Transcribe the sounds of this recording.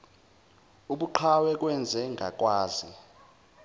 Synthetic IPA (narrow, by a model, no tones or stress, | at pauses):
uɓuǃʰawɛk̬ʼwɛnd͡zʱɛŋɡʱa̰k̬ʼwaːzi